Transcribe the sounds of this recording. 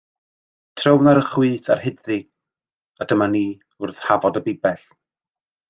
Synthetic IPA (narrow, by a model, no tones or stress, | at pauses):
tʰrəwnaɾəχwiːθa̰rhɪdði | adəmaniː | ʊrθhavɔdəbɪbɛɬ